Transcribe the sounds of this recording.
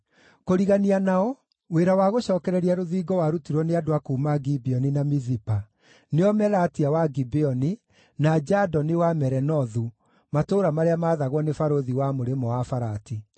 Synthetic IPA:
koɾiɣanianaɔ | weɾawaɣoɕɔːkɛɾɛɾiaɾoðiːɡɔwaɾutiɾwɔneadoakuːmaɡibeɔninamizipa | neɔmɛlatiawaɡibeɔni | nad͡ʒadɔnewamɛɾɛnɔðu | matoːɾamaɾeamaːðaɣwɔnefaɾoðiwamoɾemɔwafaɾati

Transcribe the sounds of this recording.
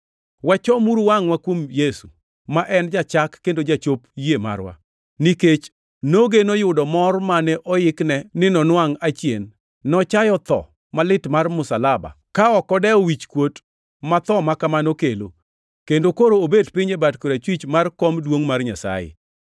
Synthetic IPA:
wat͡ʃɔmuɾwaŋwakwomjesu | maʔɛnd͡ʒat͡ʃakːendod͡ʒat͡ʃopjema̰rwa̰ | niket͡ʃ | noɡenojʊdɔmɔrmanɛʔɔjɪknɛnɪnɔnwaŋat͡ʃjḛnː | ɔt͡ʃajɔt̪ɔ̰ | malɪtmarmʊsalaba̰ | kaɔkɔdɛɔwit͡ʃkwot | mat̪ɔmakamanokelo̰ | kendokoɾoːbedpɪɲebatkoɾat͡ʃwit͡ʃmarkomdwoŋmarɲasa̰jɪ̰

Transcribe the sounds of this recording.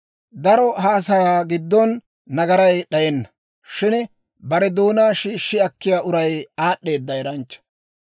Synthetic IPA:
d̪ɐɾɔhaːs̬ɐjaːɡɪd̪ːɔnː | ɐɡɐɾɐjɗɐjɛnːɐ | ʃɪn | bɐɾɛd̪o̞ːnaːʃiːʃːɪɐkːɪjaːʔʊɾɐjaːɗːe̞ːd̪ːɐɛɾɐnt͡ʃːɐ̥

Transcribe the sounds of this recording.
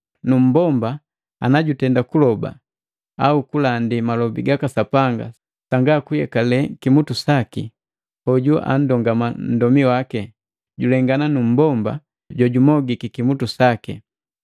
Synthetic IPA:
num̩bɔmba | a̰naɟutɛndakulɔba̰ | a̰ukulandimalɔbiɡakasapaŋɡa̰ | saŋɡakujɛkalɛkimutusakḭ | hɔɟuʔa̰n̩dɔŋɡaman̩dɔmiwakɛ | ɟulɛŋɡananum̩bɔmba̰ | ɟwɔɟumɔɡikikimutusakḭ

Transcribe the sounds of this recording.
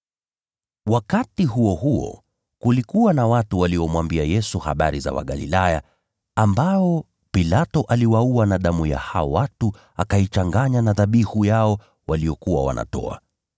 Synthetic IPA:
wakatiɦuɔɦuɔ̰ | kulikuwanawatuwaliɔmwambiajɛsuha̰ɓa̰ɾiza̰wa̰ɠalḭlaja | ambaɔ | pilatɔʔaliwauanaɗamuja̰haɔwatu | akait͡ʃaŋɡaɲanaðaɓihujaɔ | waliɔkuwa̰wa̰nʔa̰tɔ̰a̰

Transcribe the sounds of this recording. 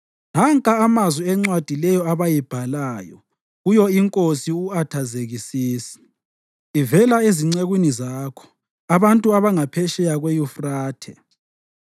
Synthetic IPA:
naŋkʼaːmazwiɛŋ͡ǀwad̥ʱilɛjɔaβajib̥ʱalaːjɔ̰ | ɣujɔiŋkʼosiuatʰazeɣisiːsi̥ː | vɛlaeziŋ͡ǀeɣwinizaːkʰɔ̥ | aβantʼuaβaŋapʰɛʃɛjaɣwejufraːtʰɛ

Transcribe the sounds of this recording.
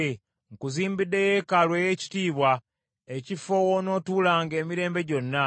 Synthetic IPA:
e | ŋkuziːmbidːe̞jekalwe̞je̞ːci̥tiːβwa | ecifowono̞ːtuːlaːŋɡe̞ːmiɾe̞ːmbe̞ɟo̞nːa

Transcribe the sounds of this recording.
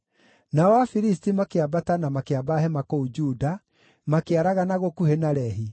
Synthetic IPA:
naɔwafiɾis̬timakeabatanamakeabaɦɛmakoud͡ʒuda | makeaɾaɣanaɣokuhenaɾɛɦi

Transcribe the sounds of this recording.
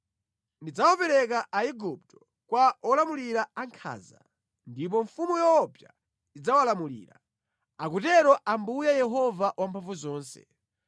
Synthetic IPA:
ndid͡zawapɛɾɛkaʔaiɡup̚tɔ̥ | kwaɔlamuliɾaaŋkʰa̰ːza̰ | ndip̬ɔɱfumujɔːpja̰ | id͡zawalamulḭːɾa̰ | akutɛɾɔʔambujajɛɦɔvawampʰaɱvuzɔːnsɛ̰

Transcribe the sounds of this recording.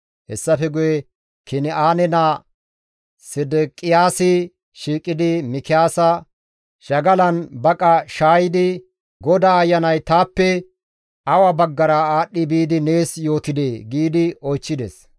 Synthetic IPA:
hɛ̰sːɐfɛɡʊjɛ | kɪnɪaːnɛna | sɪd̪ɛkʼɪjaːsɪ | ʃiːkʼːɪd̪ɪmɪkɪjaːsɐ | ʃɐɡɐlɐnbɐkʼɐʃaːjɪd̪ɪ | ɡɔd̪aːjːɐnɐjt̪aːpːɛ | ɐwɐbɐɡːɐɾɐaːɗːɪbiːd̪ɪne̞ːsjo̞ːt̪ɪd̪eːɡiːd̪ɪɔjt͡ʃːɪd̪ɛ̰s

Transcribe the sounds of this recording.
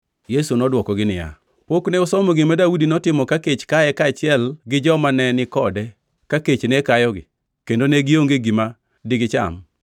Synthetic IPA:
jesunɔdwɔkɔɡɪnɪja̰ | pokneʊsɔmɔɡɪmadawudinɔtɪmɔkaket͡ʃkajɛkat͡ʃɪɛlɡɪd͡ʒɔmanɛnɪkɔdɛ | kaket͡ʃnekajɔɡɪ̰ | kendoneɡɪoŋɡeɡima | dɪɡɪt͡ʃa̰m

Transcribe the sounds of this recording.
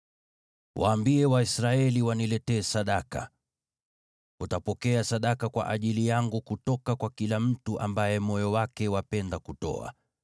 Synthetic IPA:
wʔa̰ːmbiɛwaisɾaɛliwanilɛtɛːsaɗaka̰ | utapɔkɛasaɗakakwa̰ʔaʄilijaŋɡukutɔkakwakilam̩tuʔa̰mbajɛmɔjɔwakɛwapɛndakutɔ̰a̰

